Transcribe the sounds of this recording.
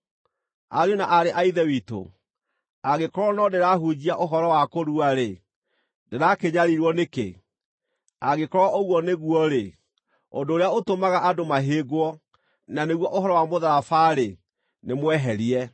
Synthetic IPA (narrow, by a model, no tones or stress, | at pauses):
aɾjonaʔaɾeʔaiðɛwiːto̰ | aɣekɔɾɔnɔdeɾaɦud͡ʑiaʔoɦɔɾɔwakoɾuaɾe | deɾakeɲaɾiɾwɔnekḛ | aɣekɔɾɔʔoɣwɔneɣuɔɾe | o̰ndoːɾeaotomaɣaʔadomaɦeːɡwɔ | naneɣwɔʔoɦɔɾɔwamoðaɾafaɾe | nemwɛɦɛɾiɛ